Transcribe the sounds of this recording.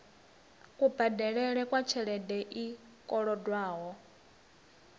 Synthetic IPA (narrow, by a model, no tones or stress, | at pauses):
kʼubadɛɺɛɺɛkʼwat͡ʃʰɛɺɛdɛʔi | kʼɔɺɔdwaːɦɔ